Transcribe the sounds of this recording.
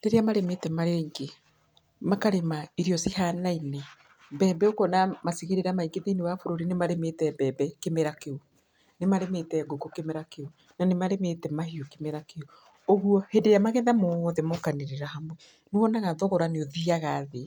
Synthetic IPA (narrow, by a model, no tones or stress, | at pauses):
neɾeamaɾemetɛmaɾeːŋɡe | makaɾemaiɾiɔsihanaine | bɛːbɛokɔnamasiɣeɾeɾamaiɡeðenewafoɾoɾinemaɾemetɛbɛbɛkemeɾakeu | nemaɾemetɛɡoɡokemeɾakeu | nanemaɾemetɛmahiokemeɾakeo | oɣuɔhendeɾjamaɣɛðamoðɛmɔkaneɾeɾahamwɛ | neɔnaɣaðɔɣɔɾaneoðiaɣaðe